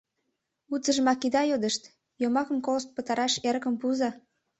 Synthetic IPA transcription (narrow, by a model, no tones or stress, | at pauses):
ut͡səʒəmɑkid̪ɑjod̪əʃt̪ | jomɑkə̆mkolst̪̚pət̪ɑɾɑʃeɾəkəmpuzɑ